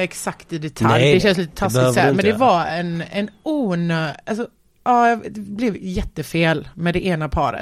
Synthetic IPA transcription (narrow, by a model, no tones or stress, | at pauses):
ɛksakt̪ɪd̪ɛt̪ʰaljd̪ɛɛnsliːt̪ə̥t̪ʰasɪæmɛnd̪ɛvaɛnɛnuːnøːʔas̬ɔ | ʔɑːjɑd̪ɛblɛvjɛt̪ːəfeːlmɛd̪ɛʔeːnapʰɑ̰ːɾə̰